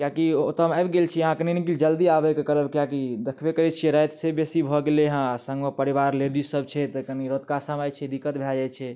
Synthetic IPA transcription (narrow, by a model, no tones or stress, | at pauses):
kjakiot̪əmajbɡelt͡ʃʰiɦãkəninikild͡ʒəld̪iabɛkekəɾəbkijakid̪ekʰbekəɾɛt͡ʃʰiɛɾəjt̪sebesibʱɔɡeleɦãasə̃ŋɡəpəɾibaɾleɽisəb̚t͡ʃʰɛt̪əkəniɾot̪kasəmajt͡ʃʰɛd̪ikːət̪bʱɛd͡ʒajt͡ʃʰɛ